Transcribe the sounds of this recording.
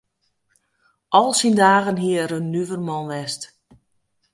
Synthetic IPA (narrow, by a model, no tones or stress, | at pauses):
ʔɔlˠsindaːɣənɦiəəɾənːyvərmɔnʋɛst